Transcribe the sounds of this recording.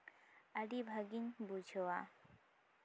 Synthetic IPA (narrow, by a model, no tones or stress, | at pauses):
aɖibʱaɡiɲbud͡ʒʱɔwa